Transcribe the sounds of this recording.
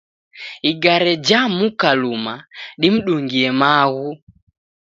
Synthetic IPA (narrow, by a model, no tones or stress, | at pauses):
iɡaɾɛd͡ʒamukalumaɗim̩ɗuŋɡiɛmaɣu